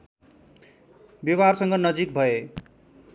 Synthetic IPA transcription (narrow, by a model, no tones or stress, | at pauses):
biwarsʌŋɡʌnʌd͡zik̚bʱʌe